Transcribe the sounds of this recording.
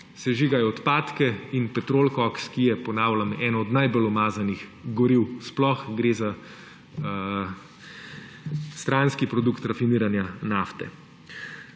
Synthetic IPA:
sɛʒiːɡajɔːt̪paːt̪kɛinpɛt̪ɾoːlkɔkskijɛpɔnaːwlamɛːnɔːd̪najbolɔmaːzaniɣɡɔɾiwsplɔxɡɾeːza | st̪ɾaːnskipɾɔd̪ukt̪ɾafiniːɾanjanaːft̪ɛ̰

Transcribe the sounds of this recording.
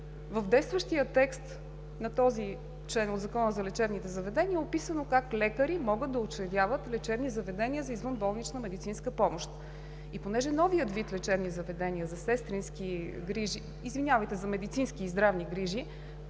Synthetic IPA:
vəvd̪ɛjst̪vəʃt̪iət̪ɛkst̪ | nɐt̪ɔzi | t͡ʃlɛnod̪zɐkɔnəzɐlɛt͡ʃɛbnit̪ɛzɐvɛd̪ɛniɛopisənokaklɛkəɾimɔɡəd̪ɐot͡ʃɛd̪ʲavət̪lɛt͡ʃɛbnizɐvɛd̪ɛniəzɐizvɤnbɔlˠnit͡ʃnəmɛd̪it̪sinskəpɔmoʃt̪ | iponɛʒɛnɔviət̪vit̪lɛt͡ʃɛbnizɐvɛd̪ɛnʲiəzɐsɛst̪ɾinskiɡɾiʒiːzvinʲavəjt̪ɛzɐmɛd̪it̪sinskiːzd̪ɾavniɡɾiʒi

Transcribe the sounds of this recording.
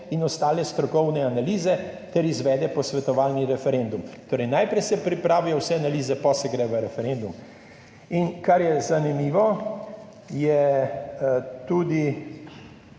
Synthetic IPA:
inɔst̪aːlɛst̪ɾɔkɔwnɛanaliːzɛt̪ɛɾizʋɛːd̪ɛpɔsʋɛt̪ɔʋaːlniɾɛfɛɾend̪umt̪oːɾɛjnajpɾɛjsɛpɾipɾaːʋijɔwsɛanaliːzɛpɔsɛɡɾɛʋəɾɛfɛɾend̪um | inkaɾjɛzanimiːʋɔ | jɛ | t̪ud̪i

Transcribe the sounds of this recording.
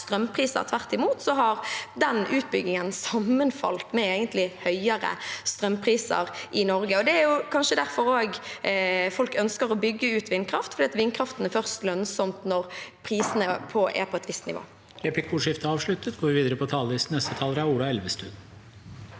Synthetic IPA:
st̪ɾœmpʰʁiːsə̰ʁt̪ʰʋæʁt̪ɪmuːt̪sɔɦɑɾd̪ɛnʔʉːt̪̚bʏɡnɪŋənsɑmːənfɑ̰lt̪mɛeːɡənt̪lɪhœʏəɾə̰st̪ɾœmpʰʁiːsə̰ʁʔɪnɔɾɡəɔd̪ɛæɾjʊkʰɑnʃəd̪æɾfɔɾoːɡ | fɔlkœnskəʁɔbʏɡːəʉːt̪ʋɪnːkʰɾɑft̪fɔɾd̪iːɑt̪ʋɪnkʰɾɑft̪ən̩æɾfœʁst̪lœnsɔmt̪nɔʁpʰɾiːsənəpʰɔɛ̰ɾpʰɔɛt̪ʋɪst̪nɪ̰ʋo̰ː | ɾeːplɪkʰuːʂɪft̪əɑːʋʂɭʉt̪ət̪ɡoːʋɪʋiːd̪əɾəpʰɔt̪ʰɑːlɪsnɛst̪ət̪ʰɑːlɾæuːɾɑɛlʋəst̪ʉ̰d̪

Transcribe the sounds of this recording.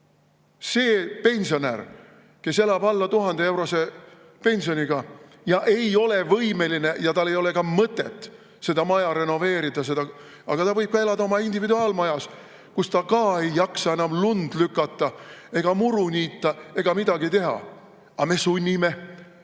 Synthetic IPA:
se̞ːpe̞nʲsio̞nær | ke̞se̞lɑbɑlːɑt̪uɦɑnd̪ee̞wɾo̞se̞ | pe̞nʲsio̞nʲiɡ̥ɑ | jɑʔe̞jo̞levɤjme̞linejɑt̪ɑlːe̞jo̞le̞kɑmɤt̪ːˑḛt̪ːˑ | se̞d̪ɑmɑjɑɾe̞no̞ve̞ːɾid̪ɑs̬e̞d̪̥ɑ | ɑɡ̥ɑt̪ɑvɤ̞jb̥̚kɑe̞lɑd̪ɑo̞mɑind̪ivid̪uɑːlmɑjɑs | kust̪ɑkɑːe̞jːɑksɑenɑmlund̪̥lykːˑɑt̪ːˑɑe̞ɡ̥ɑmuɾunʲiːt̪ˑːɑe̞ɡ̥ɑmid̪̥ɑɡit̪e̞ɦɑ̰ | ɑme̞sunʲːime̞

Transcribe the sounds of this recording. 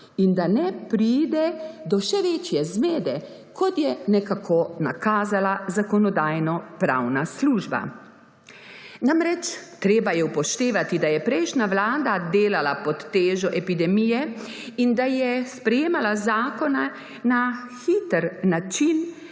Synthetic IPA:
ind̪anɛpɾiːd̪ɛd̪ɔʃɛʋeːt͡ʃjɛzmeːd̪ɛ | kɔt̪jɛnɛkakʰona̰kaːzalazakɔnɔd̪aːjnɔpɾa̰wnasluːʒba̰ | namɾɛt͡ʃt̪ɾeːbajɛupɔʃt̪eːʋat̪id̪ajɛpɾɛjʃnaʋlaːd̪ad̪eːlalapɔt̪ːeːʒɔʔɛpid̪ɛmijɛind̪ajɛspɾɛjeːmalazaːkɔna | na | xit̪əɾnat͡ʃin

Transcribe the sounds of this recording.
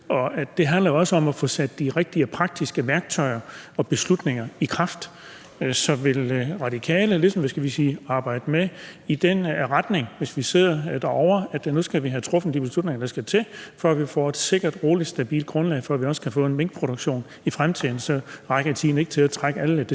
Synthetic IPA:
ʔɒ̽æd̥e̝ɦændlɐjoɒ̽səɒ̽mæfɔ̽sæd̥d̥iʁeɡ̥̚d̥iɐpʰʁɑ̈ɡ̥̚d̥isɡ̥əʋæɐɡ̥̚t͡sʰɒ̽ɪɐɒ̽b̥e̝slud̥ne̝ŋɐikʰʁɑ̈fd̥ | sɒ̽ʋe̝lʁɑ̈ɾ̥ikʰɛ̰ːləlisɒ̽mʋæsɡ̥æʋisiːɑ̈ːb̥ɑ̈ɪ̰d̥əmeid̥enʁad̥ne̝ŋʋe̝sʋise̝ð̰ˠɐd̥æɐɒʊ̰ɐæd̥nusɡ̥æʋiɦæt͡sʰʁɔ̽fn̩d̥ib̥e̝slud̥̚ⁿne̝ŋɐd̥ɑ̈sɡ̥æt͡sʰe̝fɒæʋifɒ̰ːe̝d̥se̝ɡ̥ɐd̥ʁo̝ːlid̥sd̥æb̥ḭːld̥̚ɡ̥ʁɔ̽nlɛ̰ɪfɒæʋiɒ̽sə̥kʰæfɔ̰̽ːe̝nmeŋ̰ɡ̥pʰʁo̝ɾ̥oɡ̥ɕo̝̰ːn | ifʁamt͡sʰið̰ˠn̩sɒ̽ʁɑ̈ɡ̥ɐt͡sʰḭːn̩e̝ɡ̥ə̥t͡sʰe̝læt͡sʰʁaɡ̥əæləd̥

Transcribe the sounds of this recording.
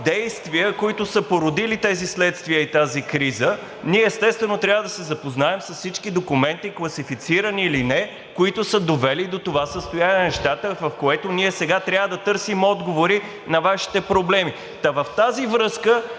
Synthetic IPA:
d̪ɛjst̪viəkoit̪ʊsəpoɾʊd̪ilit̪ɛzislɛt̪st̪viəit̪azikɾizə | niɛːst̪ɛst̪vɛnot̪ɾʲavəd̪ɐsɛzɐpoznaɛmsəssit͡ʃkid̪okumɛnt̪iklˠɐsifit̪siɾəniːlinɛ | koit̪ʊsəd̪ovɛlid̪ot̪ovasəst̪ojanʲinɛʃt̪at̪əvɐfkoɛt̪oniɛsɛɡat̪ɾʲavəd̪ɐt̪ɤɾsimɔd̪ɡovoɾi | nɐvaʃi̥t̪ɛpɾoblɛmi | t̪ɐvɐft̪azivɾɤskə

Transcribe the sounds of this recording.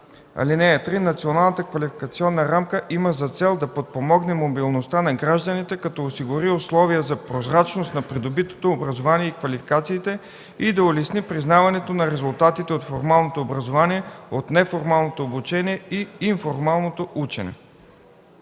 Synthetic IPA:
ɐ̰linɛjət̪ɾinɐt̪sionalˠnət̪əkvɐlʲifi̥kɐt̪siɔnːəɾamkəʔiməzɐt̪sɛlˠd̪ɐpot̪̚pomɔɡnɛmobilˠnost̪anɐɡɾaʒd̪ənit̪ɛkɐt̪ɔosiɡʊɾiʊslˠɔvijəzɐpɾozɾat͡ʃnost̪nɐpɾid̪obit̪o̥t̪oːbɾɐzovaniɛikvɐlifi̥kat̪siːt̪ɛ | id̪ɐolɛsnipɾiznavɐnɛt̪onɐɾɛzʊlˠt̪at̪it̪ɛot̪foɾmalˠnot̪oːbɾɐzovaniɛot̪nɛfoɾmalˠnot̪oːbut͡ʃɛniɛiiɱfoɾmalˠnot̪oʔut͡ʃɛ̰nɛ̰

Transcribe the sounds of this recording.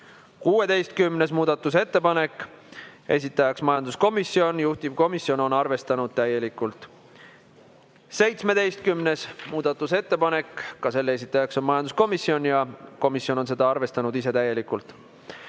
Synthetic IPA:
kuːwe̞d̪e̞jst̪̚kymne̞smuːd̪̥ɑt̪ːˑus̬e̞t̪ːe̞pɑne̞kːˑ | e̞̰s̬ʲit̪ːˑɑjɑksmɑjɑnd̪̥usko̞misːio̞njuht̪ib̥̚ko̞misio̞no̞nɑrve̞st̪ɑnud̪̥̚t̪æje̞likːˑult̪ˑ | se̞jt̪sme̞d̪e̞jst̪̚kymne̞smuːd̪̥ɑt̪ːˑuse̞t̪ːe̞pɑne̞kˑːɑse̞lːees̬ʲit̪ːˑɑjɑksonmɑjɑnd̪u̥sko̞misːio̞njɑko̞misjo̞no̞nse̞d̪̥ɑɑrve̞st̪ɑnud̪iset̪æje̞likˑult̪ːˑ

